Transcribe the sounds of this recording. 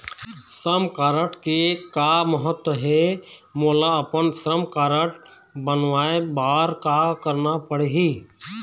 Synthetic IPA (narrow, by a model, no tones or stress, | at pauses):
sɾəmkaːɾəʈkekaməɦət̪wəɦɛmoːlaəpənsɾəmkaːɾəʈ | bənʋaːebaːɾkakəɾnapəɽeɦiː